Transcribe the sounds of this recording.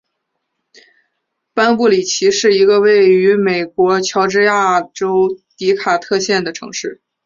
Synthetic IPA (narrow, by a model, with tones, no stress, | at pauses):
pa˥npu˥˩li˨˩t͡ɕʰi˧˥ʂɻ̩˥˩i˧˥ɡə˧we˥˩ɪy˧˥me˨˩ɪkwɔ˧˥t͡ɕʰjɑ˧˥ʊʈ͡ʂɻ̩˥ja˥˩ʈ͡ʂo˥ʊt̪i˧˥kʰa˨˩t̪ʰɤ˥˧ɕjɛ˥˩nd̪ə˩ʈ͡ʂʰɤ̰˧˥ŋʂɻ̩˥˩